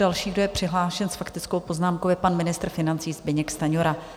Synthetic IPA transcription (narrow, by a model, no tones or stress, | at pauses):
dalʃiːɡdo̞jɛpr̥ɪɦlaːʃɛnsfakt̪ɪt͡skowpo̞znaːmkowɛpanmɪnɪst̪ɾfɪnant͡siːzbɪɲɛkst̪aɲoɾa